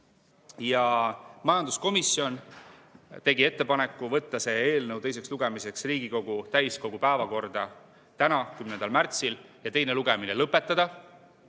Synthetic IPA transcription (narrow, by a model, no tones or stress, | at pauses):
jɑmɑjɑnd̪usko̞misːjo̞n | t̪e̞ɡie̞t̪ːe̞pɑne̞kːˑuvɤ̞t̪ːɑse̞e̞ːlnɤwt̪e̞js̬e̞ksluɡ̥e̞mise̞ksriːɡ̥iko̞ɡ̥ut̪æjsko̞ɡ̥upæevɑko̞rd̪̥ɑ | t̪ænɑkymnend̪ɑlmært̪siljɑt̪e̞jne̞luɡ̥e̞mine̞lɤpːˑe̞t̪ːˑɑd̪̥ɑ